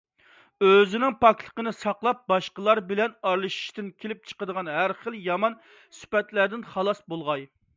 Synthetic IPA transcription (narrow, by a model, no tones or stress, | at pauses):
øzɪnɪŋpʰɑk̚ʲt̪ʰə̥qənɨsɑqlˠɑp̚bɑʃqəlˠɑɾbɪlɛnɑɾlˠɨʃi̥ʃt̪ɪnkʲʰelɪp̚t͡ʃʰə̥qəd̪əʁɑnɦæɾχəlˠjɑmɑn | sy̥pɛt̪læɾd̪ɪnχɑlˠɑsbolˠʁɑj